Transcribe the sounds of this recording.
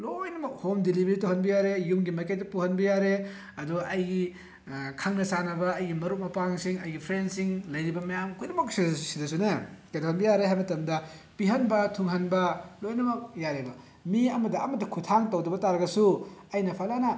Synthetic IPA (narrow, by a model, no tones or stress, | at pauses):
lojnɐmɐk̚homdilibɐɾitowhɐnbɐjaɾejumɡimɐjkej̚tːɐpuhɐnbɐjaɾe | ɐduɡʔɐjɡi | kʰaŋnɐsanɐbɐːjɡimɐɾuk̚mɐpaŋsiŋɐjɡipʰɾensiŋlɐjɾibɐmɐjamkʰojnɐmɐk̚sisidɐs̬unekajtɐhɐnbɐjaɾeɦajmɐtɐmdɐ | piɦɐnbɐtʰuŋɦɐnbɐlojnɐmɐk̚jaɾebɐ | miɐmɐdɐɐmɐdɐkʰutʰaŋtɐwdɐbɐtaɾɐɡɐsuɐjnɐpʰalanɐ